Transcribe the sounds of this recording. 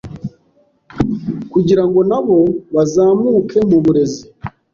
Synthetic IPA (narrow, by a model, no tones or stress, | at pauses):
kuɟiɾaŋɡo̞naβo̞βazaːmuːkʰe̞muβuɾe̞zi